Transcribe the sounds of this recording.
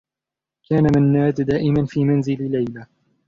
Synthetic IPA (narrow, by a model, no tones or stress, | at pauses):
kaːnamanːaːd̪d̪aːʔɪmanfiːmanzɪllajla